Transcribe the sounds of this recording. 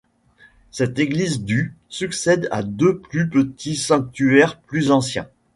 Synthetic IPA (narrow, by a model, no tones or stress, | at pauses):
sɛt̪eɡlizd̪y | syksɛd̪a̰d̪øplypət̪ʰisɑ̃k̚t̪yɛʁplyzɑ̃sjɛ̰̃